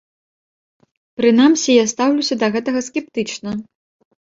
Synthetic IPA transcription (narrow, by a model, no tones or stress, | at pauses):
pɾɨn̪amsʲijast̪awlʲusʲɐd̪ɐɣɛt̪ɐɣɐskʲɛp̚t̪ɨt͡ʂnɐ